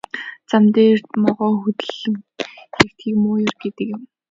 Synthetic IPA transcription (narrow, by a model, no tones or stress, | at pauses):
t͡samt̪eːrt̪mɔʁɔːxut̪ɘ̆ɮɘ̆ŋxekt̪xiːkmʊːjɪrɡet̪ɘ̆kjɪ̆m